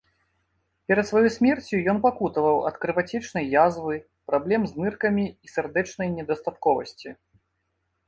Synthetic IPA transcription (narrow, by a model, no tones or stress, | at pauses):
pʲɛɾɐt̪svajɔjsʲmʲɛrt͡sʲujɔnpakut̪ɐvɐwɐ̰t̪kɾɨvat͡sʲɛt͡ʂnɐjːazvɨ | pɾablʲɛmznɨrkɐmʲiːsʲɛrd̪ɛt͡ʂnɐjnʲɛd̪ɐst̪at̪kɔvɐ̰sʲt͡sʲi